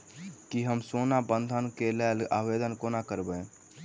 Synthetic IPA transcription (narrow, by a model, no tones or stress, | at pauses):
kiɦəmsonabənd̪ʱənkeleːla̰bed̪ənkonakəɾbɛ